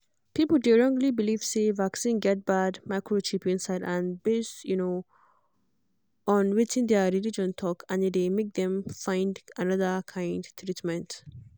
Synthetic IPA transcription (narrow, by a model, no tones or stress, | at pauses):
pipəl̩deɹɔ̃ŋɡlibilivsevaksĩnɡɛt̚badmaɪkɹot͡ʃipɪ̃nsaɪdãnbestjuno | ʔɔ̃nwit͡ʃɪ̃ŋd̪eəɾilid͡ʒɔ̃ntʰɔkʰãnded̪emek̚d̪ɛ̃mfãɪ̃ndanʌðəkʰãɪ̃ndt̪ʰɾitmɛ̃nt